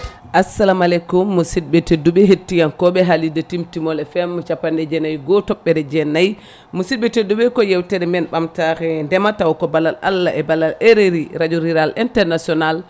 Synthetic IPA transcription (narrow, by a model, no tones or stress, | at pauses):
ʔasalamalɛkumːusid̚ɓɛteduɓɛɦetːijankɔɓɛɦalidɛtimtimɔlɛfɛmːɔt͡ʃapːandɛd͡ʒɛnajɡɔtɔɓːɛdɛd͡ʒɛnaj | musid̚bɛtedːuɓɛkɔjɛwtɛɾɛmɛnɓamtakɛndɛmatawkɔbalala̰lːaʔɛbalaleɾeɾiɾad͡ʒuɾiɾalintɛɾnasiɔnal